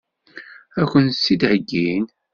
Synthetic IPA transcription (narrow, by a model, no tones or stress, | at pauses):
ækʷːənsːid̪ʕəɡːin